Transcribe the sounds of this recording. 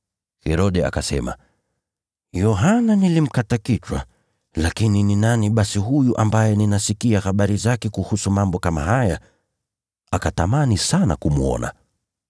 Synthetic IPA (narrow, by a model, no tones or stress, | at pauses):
hɛɾɔɗɛa̰kasɛ̰ma̰ | jɔɦananilim̩katakit͡ʃwa̰ | lakinininaniɓasiɦujuʔambajɛninasikiahaɓaɾizakɛkuhusumambɔkama̰haja | akatamanisana̰kumuɔ̰na̰